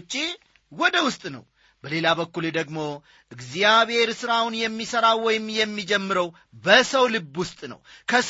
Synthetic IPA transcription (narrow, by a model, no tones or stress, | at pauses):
t͡ʃʼːi | wɔd̪əwʊst̪ʼnə̰w | bəle̞labəkːuld̪əɡmo̞ | ʔɨɡzijaβhe̞ɾsɨɾawʊnjɛmːisəɾawwɔjɪmjɛmːid͡ʒɛmːɨɾəw | bəsəwlɨbːwʊst̪ʼnə̰wkʰəs